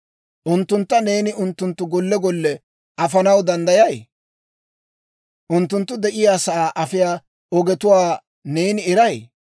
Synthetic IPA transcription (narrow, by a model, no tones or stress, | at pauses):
ʔʊnt̪ːʊnt̪ːɐne̞ːnɪʊnt̪ːʊnt̪ːʊɡɔlːɛɡɔlːɛ | ɐfɐnɐwd̪ɐnd̪ɐjɐj | ʔʊnt̪ːʊnt̪ːʊd̪ɛʔɪjaːsɐaːʔɐfɪjaː | ɔɡɛt̪ʊwaː | ne̞ːnɪɪɾɐj